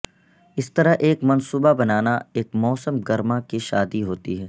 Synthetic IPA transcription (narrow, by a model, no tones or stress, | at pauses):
ɪst̪ɐɾaɦʔeːkmɐnsuːbabɐnaːnaeːkmɔːsəmɡɐɾmakiʃaːd̪iɦoːt̪iɦɛː